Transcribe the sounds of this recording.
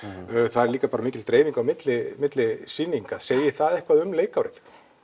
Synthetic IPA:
θaðɛɾliːkapaːɾamiːcɪlt̪ɾeːjviŋkawmɪt̪lɪmɪt̪lɪsinːiŋkaðseːjɪθaðɛhkvaðʏmleːjkawɾɪθ

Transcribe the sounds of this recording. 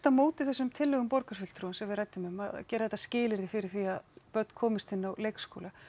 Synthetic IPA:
t̪amoːwt̪ɪθɛsːʏmt̪ʰɪlːœɣʏmpɔɾkasfʏl̥t̪ʰɾuːnsɛmvɪðɾrajt̪ːʏmʏma̰ðcɛːɾaðɛt̪ːascɪːlɪɾðɪfɪɾɪɾ̥θiaðpœt̪n̥kʰɔːmɪst̪ʰɪnːawlejksko̰wla

